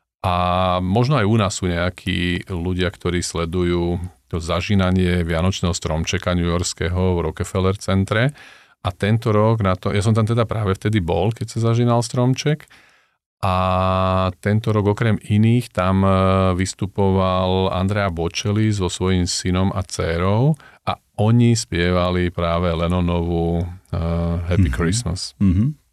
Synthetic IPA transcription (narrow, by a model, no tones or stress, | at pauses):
ʔamɔʒnɔajunaːsːuːɲɛakʰḭːluɟɪakt̪ɔɾiːslɛd̪ujuːt̪ɔzaʒinaɲɪɛʋɪanɔt͡ʃnɛːɦɔst̪ɾɔmt͡ʃɛkaɲujɔɾskɛɦɔʋɾɔkɛfɛlɛɾt͡sɛnt̪ɾɛ | ʔat̪ɛnt̪ɔɾɔɡnat̪ɔjas̬ɔmt̪amt̪ɛd̪apɾaːʋɛft̪ɛd̪ibɔ̰lkɛcsazaʒiːnalst̪ɾɔmt͡ʃɛk | ʔa | t̪ɛnt̪ɔɾɔɡɔkɾɛminiːxt̪amʋist̪upɔʋala̰nd̪ɾɛjabɔt͡ʃɛlizzɔsʋɔjimsinɔmʔa̰t͡sɛɾɔʊʔa | ɔɲispɪɛʋalipɾaːʋɛlɛnɔnɔʋu | ɦɛpikɾisma̰s